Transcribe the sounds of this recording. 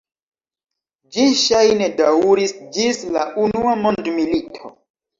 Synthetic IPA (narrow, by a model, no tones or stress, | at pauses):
d͡ʒiʃajnedawɾisd͡ʒislaʔunuamo̞ndmilitʰo̰